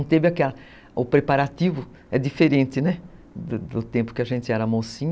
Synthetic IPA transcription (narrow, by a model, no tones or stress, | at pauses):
w̃t̪evɪakɛlɐ | ʊpɾepaɾat̪ivʊ | ɛd̪ifeɾẽnt̪ɪnɛ | d̪ʊd̪ʊt̪ẽmpʊ̥kɪaʒẽnt̪ɪɛɾɐamosĩɲ